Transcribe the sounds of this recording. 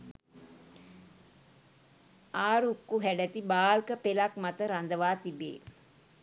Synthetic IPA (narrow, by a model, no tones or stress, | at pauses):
aːɾukːuɦæɖət̪ibaːlkəpelakmat̪əɾand̪əʋaːt̪ibḛː